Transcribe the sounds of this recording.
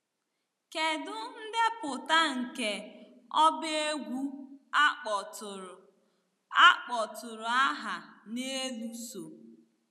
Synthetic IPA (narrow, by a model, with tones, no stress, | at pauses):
ke˨dʊ˦n̩˦de˦pʊ˨ta˦ŋ̩˨ke˨ | ɔ˦bɪ˦e˦ɡʷu˦ | k͡p | a˦k͡pɔ˨tʊ˨ɾʊ˨a˦ɦa˨ne˦lu˦so˨